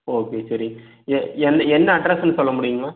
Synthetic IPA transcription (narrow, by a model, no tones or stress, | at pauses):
oːkeːsɐɾɪŋɡɐ | ɛɛnːɐɛnːɐɐɖɾɛsnːɯsɔlːɐmʊɽɪjŋɡɐɐ